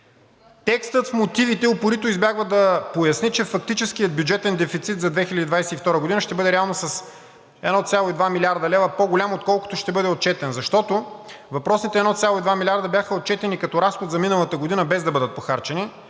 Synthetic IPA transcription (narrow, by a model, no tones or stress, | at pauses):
t̪ɛkst̪ət̪fmot̪ivit̪ɛopoɾit̪oʊizbjaɡvəd̪ɐpojɐsnit͡ʃɛfɐk̚t̪it͡ʃɛskijəd̪̚bʲjud͡ʒɛt̪ɛnd̪ɛfit̪sit̪zɐd̪vɛxilʲəd̪id̪vajsɛift̪ɔɾəɡod̪inəʃt̪ɛbɤd̪ɛɾɛalˠnosɐs | ɛ̰d̪nɔt̪sʲalˠoid̪vamilʲaɾd̪ɐlɛvəpoɡolʲamot̪̚kɔlˠko̥t̪oʃt̪ɛbɤd̪ɛot̪̚t͡ʃɛt̪ɛnzɐʃt̪ɔt̪o | vɐpɾɔsit̪ɛd̪nɔt̪sʲalˠoid̪vamilʲaɾd̪əbʲjaxəot̪̚t͡ʃɛt̪ɛnikɐt̪ɔɾasxod̪zɐminɐlˠɐt̪əɡod̪inəbɛzd̪ɐbɤd̪ət̪̚poxaɾt͡ʃɛni